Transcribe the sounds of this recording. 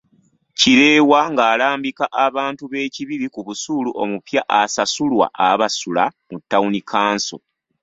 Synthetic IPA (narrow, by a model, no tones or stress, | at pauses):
ciɾe̞ːwaŋɡaːlaːmbikaʔaβaːntuβe̞ːciβiɾikuβusuluʔo̞̰mupjaʔasasulwa̰ʔaβasulamutːaunikʰaːnso̞̰